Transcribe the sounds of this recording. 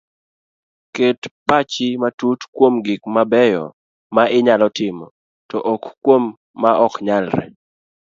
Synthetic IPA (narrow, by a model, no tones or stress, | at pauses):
ketpat͡ʃɪmatutkwomɡɪkmabɛjɔ̰ | maʔɪɲalɔtɪmɔ̰ | tɔʔɔkkːwomː | aʔɔkɲalɾɛ̰